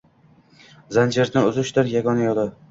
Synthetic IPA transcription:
zand͡ʒʰeɾnɪʊzʊʃt̪ɪɾjaɡɒnajɒd̪ɪ

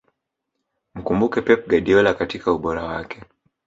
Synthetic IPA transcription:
m̩kumbukɛpɛp̚ɡaɗiɔlakatikauɓɔɾawakɛ

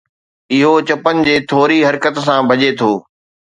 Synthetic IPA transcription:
ɪɦot͡ɕɐpənɪ̆d͡ʑeːt̪ʰoːɾiɦɐɾkət̪sãbʱɐd͡ʑet̪ʰoː

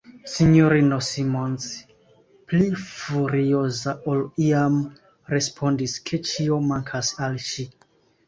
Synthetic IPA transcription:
siɲoɾinosimons | plifuɾiozaʔoliam | ɾespʰondiskʰet͡ʃiomaŋkʰasalʃi

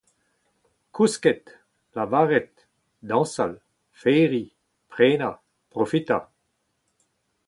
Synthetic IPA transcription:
kuskɛt̪ | lavaːʁɛt̪̚ | d̪ɑ̃sal | fɛːʁi | pʁeːna | pʁofit̪a

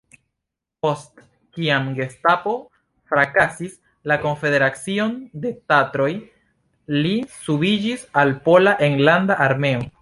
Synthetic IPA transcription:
po̞st | kiamɡe̞stapo̞ | fɾakasis | lako̞nfe̞deɾat͡sio̞nde̞tatɾo̞j | lisubid͡ʒisalpo̞laʔeŋlandaʔaɾme̞o̞

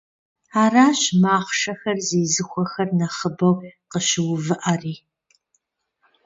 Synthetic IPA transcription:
aːraːɕmaːχʷʃɐxɐrzeːzɨxʷɔxɐrnɐχəbɐwqəʃɪwʊvɨʔariː

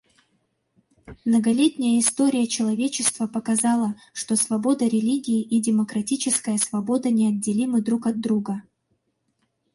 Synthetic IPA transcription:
mnəɡɐlʲetʲnʲɪjəɪst̪o̞ɾʲɪjət͡ɕɪlˠɐvʲet͡ɕɪst̪vəpəkɐzɑlˠə | ʂt̪o̞svɐbo̞d̪əɾʲɪlʲiɡʲɪːʔidʲɪməkɾɐtʲit͡ɕɪskəjəsvɐbo̞d̪ənʲɪɐd̚ʲːɪlʲimɨd̪ɾukɐd̪ːɾuɡə

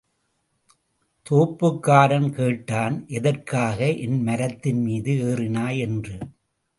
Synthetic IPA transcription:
t̪oːpːɯkːaːɾɐmkeːʈːaːnʔɛðɐrkaːɣɐʔɪnmɐɾɐt̪ːɪnmiːðɯeːrɪnaːjɛndrɯ

